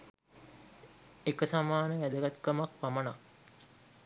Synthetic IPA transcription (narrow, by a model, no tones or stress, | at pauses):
ekəsamaːnəʋæd̪əɡat̪kəmak̚paməna